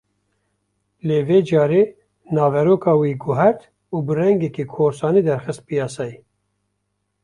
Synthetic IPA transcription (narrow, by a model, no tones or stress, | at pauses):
leːveːd͡ʒɑːɾeː | nɑːvɛɾoːkɑːwiːɡʊɦɛɾt̪ | uːbɨrɛŋɡɛkiːkʰoːɾsɑːniːd̪ɛɾxɨst̪̚pijɑːsɑːji